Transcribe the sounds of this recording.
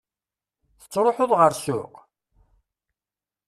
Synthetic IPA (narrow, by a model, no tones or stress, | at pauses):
θə̥t͡sːɾˤoħʊðˤʁəɾsʊ̰q